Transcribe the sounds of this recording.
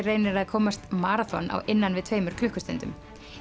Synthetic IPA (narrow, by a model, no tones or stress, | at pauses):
reːjnɪɾaðkʰɔːmast̪maːɾaθɔ̰na̰wʔɪnːanvɪðt̪ʰv̥eːjmʏɾ̥kʰlʏhkʏst̪ɛnt̪ʏ̰m